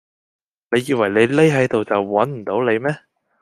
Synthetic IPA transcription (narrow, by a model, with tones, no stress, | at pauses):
ne˨˧jːiː˧wɐ˨˩jle˨˧jle˥jɦɐ˨˥jt̪o˨wt͡sɐ˨wwɐ˨˥nm̩˨˩t̪o˨˥wle˨˧jmɛː˥